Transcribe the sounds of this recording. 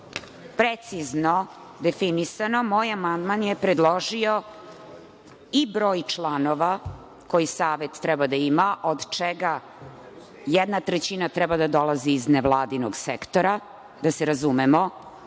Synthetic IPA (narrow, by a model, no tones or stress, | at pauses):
pɾet̪sizno | d̪efinisanomoːjamand̪manjepɾed̪lˠoʒio | ibɾoːjt͡ʃlˠanoʋa | ko̞jisaːʋet̪t̪ːɾɛbad̪aimaʔod̪t͡ʃɛɡa | jɛd̪nat̪ɾet͡ɕinat̪ɾɛbad̪ad̪o̞lˠaziːzneʋlˠaːd̪inoɡsekt̪oɾa | d̪aseɾazumemo